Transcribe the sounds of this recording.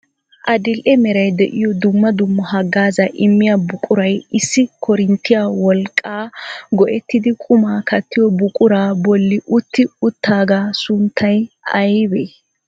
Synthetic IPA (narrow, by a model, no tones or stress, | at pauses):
ʔɐd̪ɪlʔɛmɛɾɐjd̪ɛʔɪjɔd̪ʊmːɐd̪ʊmːɔhɐɡːaːzɐʔɪmːɪjabʊkʼʊɾɐjɪsːɪkʰɔɾɪnt̪ːɪjawɔlkʼːaːɡɔʔɛt̪ːɪd̪ɪkʼʊmaːkɐt̪ːɪjɔbʊkʼʊɾaːbɔlːɪʔʊt̪ːɪʊt̪ʰːaːɡaːsʊnt̪ʰːɐjɐjbeː